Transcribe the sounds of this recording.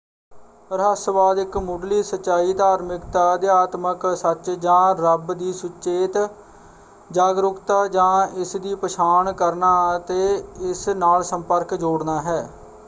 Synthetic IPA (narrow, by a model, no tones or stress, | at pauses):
pəɾɦəsəbaːd̪ɪkmʊɖliːsət͡ʃːaːiːd̪aːɾmɪkt̪aːd̪iːaːt̪məksət͡ʃd͡ʒãːɾəbd̪iːsʊt͡ʃeːt̪ | d͡ʒaːɡɾʊkt̪aːd͡ʒãːɪsd̪iːpəʃʰaːɳkəɾnaːət̪eːɪsnaːlsəmpəɾkd͡ʒoːɽnaːɦɛː